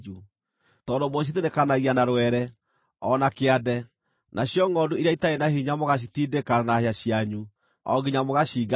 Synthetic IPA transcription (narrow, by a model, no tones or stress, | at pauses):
u | tɔːndomoɕ̬itenekanaɣianaɾwɛɾɛ | ɔnakeadɛ | nʔaɕjɔŋɔduieaitaenahiɲamoɣaɕ̬itidekanaheaɕjaɲu | ɔ̰ɡiɲamoɣaɕiːɡa